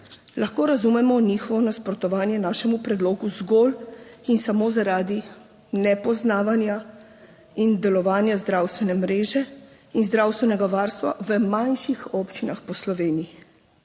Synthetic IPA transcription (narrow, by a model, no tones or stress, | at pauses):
laxkoːɾazumɛmɔniːxɔʋɔnaspɾɔt̪ɔʋaːnjɛnaːʃɛmupɾɛd̪loːɡuzɡolinsamoːzaɾaːd̪i | nɛpɔznaːʋanja | ind̪ɛlɔʋaːnjazd̪ɾawst̪ʋɛnɛmɾeːʒɛ | inzd̪ɾaːwst̪ʋɛnɛɡaʋaːɾst̪ʋa̰ʋəmanʃixɔpt͡ʃinaxpɔslɔʋeːniji